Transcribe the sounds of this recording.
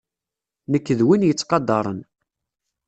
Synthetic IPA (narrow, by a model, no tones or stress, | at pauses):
nəkːəðwinjət͡sːqɑd̪ɑɾˤən